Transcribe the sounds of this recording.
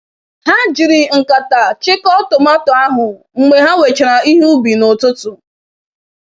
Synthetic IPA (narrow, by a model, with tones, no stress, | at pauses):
ha˦d͡ʒi˨ɾɪ˨ŋ̩˨ka˨ta˨t͡ʃɪ˦kɔ˦tʊ˨ma˦tʊ˨a˦ɦʊ˨ | ŋ͡m̩˨me˨ɦa˦we˨t͡ʃɪ˨ɾa˨i˦ɦu˦bi˨no˨tʊ˦tʊ˨